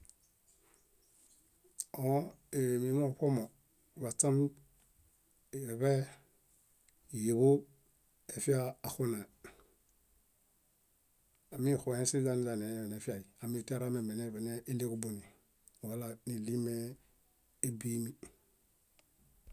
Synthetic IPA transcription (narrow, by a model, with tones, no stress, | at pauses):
o˦ | e˨mi˨˦mo˦˨ko˦mo˨ | wa˨t͡sa˦m | i˨ɾe˨βe˦˨ | je˨βo˦ | e˨fi˦aː˦˨xu˦na˨ | a˨mi˦˨xu˨ẽ˦si˦za˦ni˦za˨ne˨˦e˨ne˨fi˦a˨i˨a˨mi˦˨te˦ɾa˦me˨me˨ne˦˨be˨ne˦ʔi˦le˦ku˦bo˨ni˨ | wa˨la˨ni˨li˦me˦ | e˦bi˦mi˨